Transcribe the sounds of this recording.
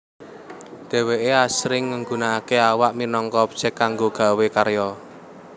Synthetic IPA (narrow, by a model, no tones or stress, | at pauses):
d̪̥e̤weʔeasɾɪŋːəŋɡunaːkeawaʔminɔŋkɔpt͡ʃɛkːaŋɡoɡ̥a̤wekaɾjɔ